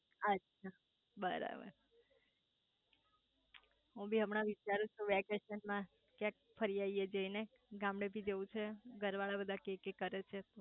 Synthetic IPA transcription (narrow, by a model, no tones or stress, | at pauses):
ətːʃʰa | bəɾa̰bə̰ɾ | ɦũbʱiɦəmnãʋit͡ʃaɾũt͡ʃʰuʋɛkeʃənmã | kjãk̚ | fʰəɾijaied͡ʒəine | ɡãmɽebʱid͡ʒeʋũt͡ʃʰeɡʱəɾʋaɭabəd̪ʱãkekekəɾet͡ʃʰet̪o